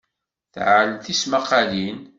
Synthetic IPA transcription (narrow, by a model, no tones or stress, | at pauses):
θʕəlθismaqɑlin